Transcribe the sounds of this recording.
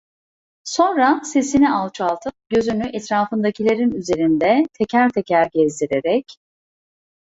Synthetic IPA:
so̞nɾase̞sinialˠt͡ʃʰalˠt̪ʰɯp̚ɟø̞zynyʔɛt̪ɾaːfɯnd̪acʰilʲe̞ɾinyze̞ɾind̪ɛt̪ʰecʰæɾt̪ʰɛcʰæɾɟɛzd̪iɾeɾɛc

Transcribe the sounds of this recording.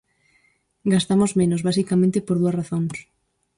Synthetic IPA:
ɡast̪amozmẽnozβasikamẽnt̪epoɾðuɐsraθoŋs

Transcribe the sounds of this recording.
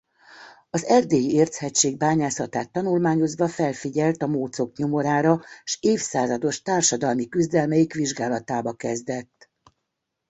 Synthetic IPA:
ɒzɛrd̪eːjieːrt̪hɛct͡ʃːeːɡ̚baːɲaːsɒt̪aːt̪ːɒnulmaːɲo̞zʋɒfɛlfiɟɛlt̪ɒmoːt̪so̞kɲo̞mo̞ɾaːɾɒʃeːfsaːzɒd̪o̞ʃt̪aːrʃɒd̪ɒlmikyzd̪ɛlmɛjikʋiʒɡaːlɒt̪aːbɒkɛzd̪ɛt̪ː

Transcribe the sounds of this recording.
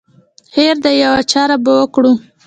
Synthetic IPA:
heɾd̪əjawat͡ʃɑɾabəwəkɽu

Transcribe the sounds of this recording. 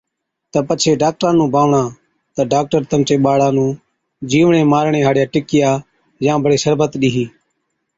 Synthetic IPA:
t̪əpət͡ʃʰeːɖaːk̚ʈɾãːnũːbʱaːʋɳãː | t̪əɖaːk̚ʈəɾt̪əmt͡ʃeːɓaːɽãːnũː | d͡ʒiːʋɳẽːmaːɾɳẽːɦaːɽɪjaːʈɪkɪjaː | jãːbʱəɽeːsəɾbət̪ɗiːɦiː

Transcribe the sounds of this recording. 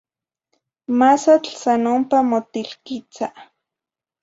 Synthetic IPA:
masat͡ɬsanompamot̪ilkit͡sa

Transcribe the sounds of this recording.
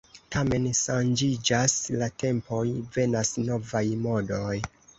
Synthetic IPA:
tame̞nʃand͡ʒid͡ʒaslatʰe̞mpo̞jve̞nasno̞vajmo̞do̞j

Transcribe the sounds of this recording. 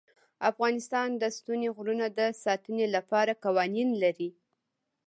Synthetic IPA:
afɣɑnɪst̪ɑnd̪əst̪uneɣɾunad̪əsɑt̪ənelapɑɾakawɑninlaɾi

